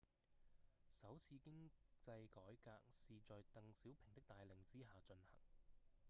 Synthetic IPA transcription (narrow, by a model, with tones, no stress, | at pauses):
sɐ˨˥wt͡sʰiː˧kɪ˥ŋt͡sɐ˧jkɔː˨˥jka̰ː˧k̚siː˨t͡sɔː˨jt̪ɐ˨ŋsiː˨˥wpʰɪ˨˩ŋt̪ɪ˥k̚t̪aː˨jlɪ˨˧ŋt͡siː˥ɦaː˨˧t͡ʃɵ˧nhɐ̰˨˩ŋ